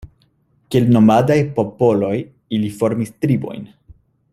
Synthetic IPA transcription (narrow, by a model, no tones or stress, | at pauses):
kielno̞madajpo̞po̞lo̞j | ilifo̞ɾmistɾibo̞̰jn